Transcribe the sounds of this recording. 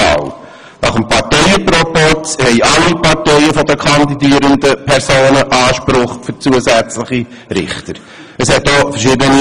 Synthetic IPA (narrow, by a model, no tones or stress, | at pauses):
ɑ̰l | nɑχəmpʰɑɾtɛɪəpɾopɔthɛɪʔɑlːipɑɾtɛɪəfɔdəkʰɑnd̪idiːəɾənd̪əpʰɛɾsoːnəʔɑːʃpɾʊχfʏɾt͡suəsæt͡slɪχi | ɾɪ̰χt̪əɾ | əshɛt̚dɔːfəʃɪːdəni